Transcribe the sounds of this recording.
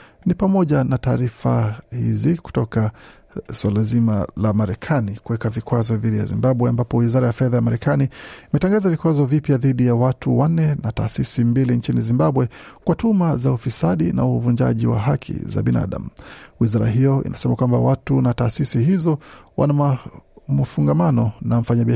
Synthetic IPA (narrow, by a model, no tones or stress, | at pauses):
nipamɔʄanataːɾifahḭziku̥tɔka | swalazimalamaɾɛkʰanikuwɛkavikwazɔðiɗija̰zḭmbaɓwɛambapɔwizaɾajafɛðajamaɾɛkaniimɛtaŋɡazavikwazɔvipjaðiɗijawatuwan̩ːɛnata̰ːsisimbilint͡ʃinizimbaɓwɛkwatumazaufisaɗina̰uvuɲd͡ʒa̰ʄiwa̰ɦakʰḭza̰ɓina̰ɗa̰muwizaɾa̰ɦijɔḭnʔasɛmakwambawatunataːsisihizɔwʔa̰na | mfuŋɡamanɔnam̩faɲaɓi